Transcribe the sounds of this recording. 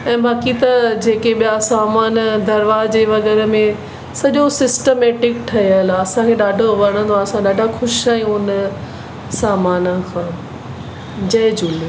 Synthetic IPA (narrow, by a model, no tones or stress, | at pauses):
ɛ̃ːbaːkit̪ɐd͡ʑeːkeɓijasaːmaːnd̪ʱɐɾʋad͡ʑeːʋɐɣɛːɾəmẽ | sɐʄosɪsʈemeːʈɪk̚ʈʰɐjəlɐsãkʰeɗaːɖʱoʋɐɽ̃ə̃nd̪oaːɐsãɗaːɖʱaxʊʃaːijũʊnə | saːmaːnəkʰãː | d͡ʑɐd͡ʑʊːli